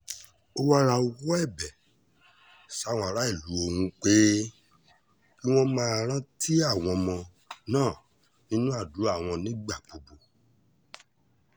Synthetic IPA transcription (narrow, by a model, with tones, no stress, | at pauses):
o˦wa˦ɾ̃ã˧o˧wɔ˦ɛ˦˨bɛ˨ | sa˦˨w̃ɔ̃˧˨a˨˧ɾa˦i˦˨lu˨˦o˧hũ˧k͡pe˦ | ki˦w̃ɔ̃˧mãː˦˨ɾ̃ã˦ti˦a˦˨w̃ɔ̃˧mɔ̃˧ | nãː˦˨ | nĩ˦nũ˦a˦˨du˨˦a˦˨w̃ɔ̃˧nĩ˦ɡ͡ba˦˨k͡po˨bo˨